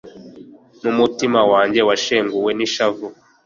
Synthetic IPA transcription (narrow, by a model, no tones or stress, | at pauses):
mumutimawaːɲɟe̞waʃeːŋɡuwe̞niʃavu